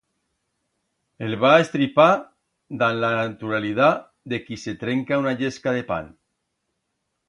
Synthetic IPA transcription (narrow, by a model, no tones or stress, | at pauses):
elβaest̪ɾipa | d̪anlanat̪uɾaliða | d̪ekiset̪ɾeŋkaunaʎeskaðepa̰n